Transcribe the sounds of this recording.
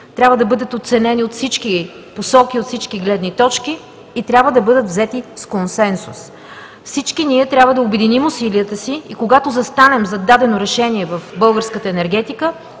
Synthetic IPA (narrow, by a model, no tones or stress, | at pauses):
t̪ɾʲabvəd̪ɐbɤd̪ət̪ot̪sɛnɛniot̪fsit͡ʃki | posɔkiot̪fsit͡ʃkiɡlɛd̪nit̪ɔt͡ʃkiː | t̪ɾʲabvəd̪ɐbɤd̪ət̪vzɛt̪iskonsɛnsṵs | fsit͡ʃkiniɛt̪ɾʲjabvəd̪ɐobɛd̪inimʊsiliət̪əsiikoɡat̪ozɐst̪anɛmzɐd̪ad̪ɛnoɾɛʃɛniɛvɐfbɤlˠɡəɾskət̪əɛnɛɾɡɛt̪ikə